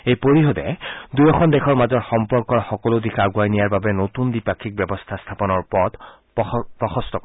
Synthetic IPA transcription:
ejpoɹiɦɔdɛ̰dujɔkʰɔndɛxʰɔɹmazɔɹxɔmpɔɹkɔɹxɔkɔlodikaɡuajnijaɹbabɛnotundipakʰːik̚bɛbɔst̪ʰast̪ʰapɔnɔɹpɔt | pɹɔxɔstʰɔkɔ

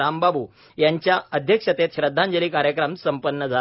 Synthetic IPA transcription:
ambabuː | jaɲt͡ɕjaəd̪ʱjəkʂət̪et̪ɕɾəd̪ʱːãɲd͡ʑəliːkaɾjəkɾəmsəmpənːəd͡zʱa

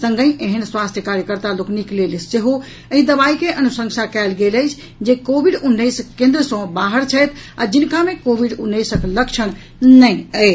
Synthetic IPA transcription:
sə̃ŋɡəjeɦənswast̪ʰjəkaɾjəkəɾt̪alokniklelseɦo | əɦĩd̪əbaikeʔənusə̃ŋsakɛlɡeləjt͡ʃʰ | d͡ʒekobʱiɖunːəjskẽnd̪ɾəsə̃baɦəɾt͡ʃʰət̪ʰa̰d͡ʒinkamekobʱiɖunːəjsəkləkt͡ʃʰəñ | nəjə

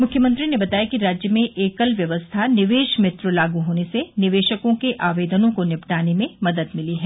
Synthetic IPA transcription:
mʊkʰjəmɐ̃nt̪ɾinebɐt̪aːjakiɾaːd͡ʒjəmẽʔeːkəlʋjɐʋəst̪ʰanɪʋeːʃmɪt̪ɾlaːɡuɦoːnesenɪʋeːʃəkõkeʔaːʋeːd̪ənõkonɪpʈaːnemẽmɐd̪əd̪mɪliɦɛː

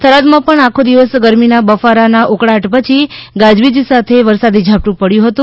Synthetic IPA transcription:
t̪ʰəɾad̪mãpəɳakʰod̪iʋəsɡəɾminabəfaɾanaʔukɽaʈpət͡ʃʰiɡad͡ʒʋid͡ʒisat̪ʰeʋəɾsad̪id͡ʒʱap̚ʈũpəɽjũɦət̪ũ

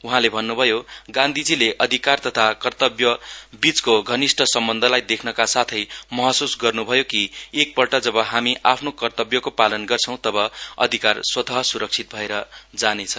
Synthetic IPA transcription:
uɦãlebʱʌnːubʱʌjoɡãnd̪ʱid͡zileʔʌd̪ʱikart̪ʌt̪ʰakʌrt̪ʌbjʌbit͡skoɡʱʌnisʈʰʌsʌmbʌnd̪ʱʌlajd̪ekʰnʌkasat̪ʰʌjmʌɦʌsusɡʌrnubʱʌjokiek̚pʌlʈʌd͡zʌbʌɦamiʔapʰnokʌrt̪ʌbjʌkopalʌnɡʌrt͡sʰʌ̃w̃t̪ʌbʌʌ̰d̪ʱikarswʌt̪ʌɦʌsuɾʌk̚t͡sʰit̪̚bʱʌeɾʌd͡zanet͡sʰʌ

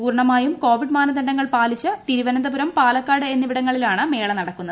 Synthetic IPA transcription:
uːɾɳɐmaːjumko̞ːʋiɖmaːnɐd̪ɐnɖɐŋːɐɭpaːlit͡ɕːɐt̪iɾiʋɐnɐnd̪ɐbuɾɐmpaːlɐkːaːɽɨe̞nːiʋiɽɐŋːɐɭilaːɳɨme̞ːɭɐnɐɽɐkːunːɐð

